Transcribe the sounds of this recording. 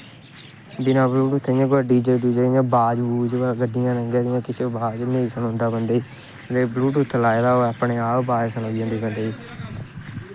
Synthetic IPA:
bɪnaːbluːʈʊt̪ʰːeɪjãːkaːɖiːd͡ʒəʈiːd͡ʒəːɪjãːbaːd͡ʒuːd͡ʒɡəɖɪjãːnəŋɡeːdɪjãːkɪsʰebaːd͡ʒneːsənɦʊ̃nd̪aːbənd̪eːiː | ɾeːbluːʈʊt̪ʰːlaːed̪aːoːaːpɳeːaːpbaːesənoːijãːnd̪iːbə̃nd̪eːiː

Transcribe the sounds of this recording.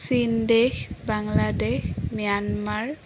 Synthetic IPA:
sindexbaŋladexmijanmaɹ

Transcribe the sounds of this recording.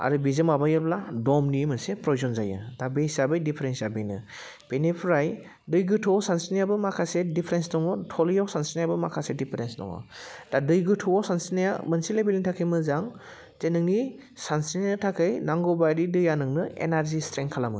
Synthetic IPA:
a̰ɾubizɯmabajɯbladɔmnimɯnsepɾɔzɔnzajɯ̰dabesabɯjdipʰeɾensabinɯ | b̥enipʰɾaj | dɯjɡɯtʰɔɔsansinijabɯmakʰasedipʰɾensdɔŋɔtʰɔlijɔwsansinijabɯmakʰasedipʰeɾensdɔ̰ŋɔ̰d̥adɯjɡɯtʰɔɔsansinijamɯnsilebelintʰakʰɯjmɯzaŋ | zenɯŋni | sansininɯtʰakʰɯjnaŋɡɔbajɾidɯjanɯŋnɯḛnaɾzistɾeŋkʰːalamɯ̰

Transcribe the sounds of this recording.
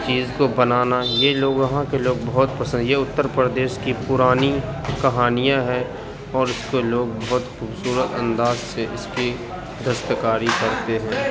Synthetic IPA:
t͡ʃiːzkobɐnaːnajeloːɡʋɐɦãkeloːɡ̚bɐɦʊt̪pɐsə̃nd̪jeʊt̪ːəɾpɾəd̪eːʃkipʊɾaːnikɐɦaːnijãɦɛ | ɔːɾɪskoloːɡbɐɦʊt̪xuːbsuːɾət̪ə̃nd̪aːzseʔɪski | d̪ʱɐst̪əkaːɾikɐɾt̪eɦɛ̃ː

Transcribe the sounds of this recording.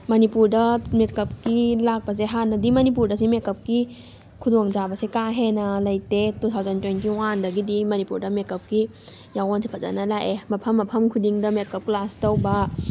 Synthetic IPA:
mɐnipuɾdɐmekɐp̚kilak̚pɐs̬eɦanːɐdimɐnip̬uɾdɐsimekɐp̚ki | kʰudoŋd͡ʒabɐsikaɦenɐlɐjtetut̪ʰawzɐntwejntiwandɐɡidimɐnipuɾdɐmekɐp̚ki | jawonsipʰɐza̰nɐlaʔemɐpʰɐmːɐpʰɐmkʰudiŋdɐmekɐp̚klastɐwbɐ

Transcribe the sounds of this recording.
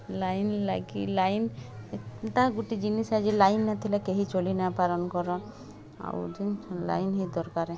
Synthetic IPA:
lajnlaɡḭlajnet̪aɡuʈid͡ʒinisad͡ʒelajnːat̪ʰilakeɦit͡ʃolinapalɔnkɔɾɔ | a̰wd͡ʒila̰jnɦed̪ɔɾkaɾe

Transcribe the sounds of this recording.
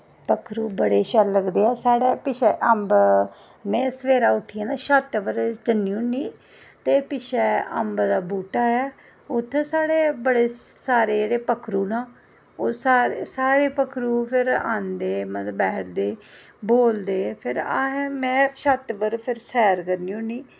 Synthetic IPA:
pəkʰɾuːbəɽeːʃɛːɾləɡd̪eːɛːsaːɽeːpɪʃɛːʔəmb | mɛ̃ːsəʋeːɾaːʊʈʰːiːaːnaːʃət̪ʋəɾt͡ʃənːiũːniː | t̪eːpɪʃɛːə̰mbd̪aːbuːʈaːɛː | ʊt̪ʰːɛ̃saːɽeːbəɽeːsaːɾeːd͡ʒeːɽeːpəkʰɾuːnãː | osaːɾesaːɾeːpəkʰɾuːpʰɪɾa̰ːnd̪eːmət̪əbɛːʈʰd̪eː | boːld̪eːpʰɪɾaːɦɛmɛ̃ːʃət̪bəɾpʰɪɾsɛːɾkəɾniːʊniː

